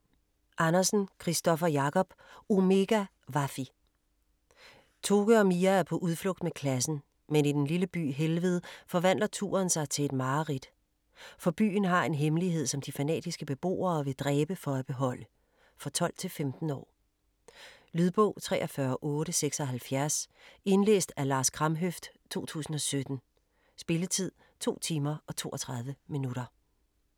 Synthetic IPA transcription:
ʔɑ̈nɐsn̩kʰʁisd̥ɒ̽fɐjɑ̈kʰɒ̽b̥o̝me̝ɡ̥æ | ʋɑ̈fi | t͡sʰo̝ːɡ̥əɒmiææɐpʰɒ̽ʔuðˠflɔ̽ɡ̥̚d̥mekʰlæsn̩ | menid̥enliləb̥y̰ːɦelʋeð̩ˠfɒ̽ʋæn̰lɐt͡sʰṵːɐnsɑ̈ɪt͡sʰe̝le̝d̥mɑ̈ːʁid̥ | fɒ̽b̥y̰ːn̩ɦɑ̈e̝nɦemliɦe̝ð̞̰ˠsɒ̽md̥ifænɛ̰ːd̥isɡ̥əb̥e̝b̥o̝̰ːɐːʋe̝d̥ʁɛːb̥əfɒ̽æb̥e̝ɦɒ̽l̰ə | fɒ̽t͡sʰɒ̽l̰̥t͡sʰe̝lfemd̥n̩ɒ̰ː | lyð̞ˠb̥ɔʊ̰t͡sʰʁɛ̰ːɒfɶːɐʔɔ̽ːɾəseɡ̥sɒ̽ɦælfjæɐse̝nlḛːsd̥ælɑ̈ːskʰʁɑ̈mɦøfd̥t͡sʰo̝̰ːt͡sʰṵːsn̩ɒ̽sød̥n̩ | sb̥e̝lət͡sʰið̞̰ˠ | t͡sʰo̝̰ːt͡sʰiːmɐɒ̽t͡sʰo̝̰ːʔɒt͡sʰʁɑ̈ð̞ˠʋəminuɾɐ

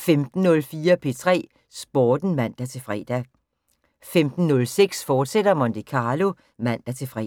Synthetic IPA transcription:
femd̥n̩ːɔ̽lfiːɐpʰe̝t͡sʰʁɛ̰ː | sb̥oːd̥n̩mæn̰d̥æt͡sʰe̝fʁɛ̰d̥æ | femd̥n̩ːɔ̽lseɡ̥sfɒːd̥sed̥ɐmɒnd̥ikʰɑ̈ːlo̝ | mæn̰d̥æt͡sʰe̝fʁɛ

